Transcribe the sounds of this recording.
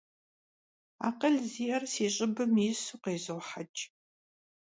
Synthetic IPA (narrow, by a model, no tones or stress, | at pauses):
a̰ːqəɮziːɐrsiːɕʼɪbɨmjsuqeːzɨwħat͡ʃʼ